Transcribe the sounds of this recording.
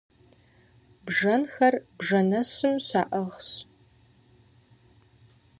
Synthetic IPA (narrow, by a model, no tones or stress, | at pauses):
bʐɐnxɐrbʐɐnɐɕɨmɕa̰ːʔɐʁɕ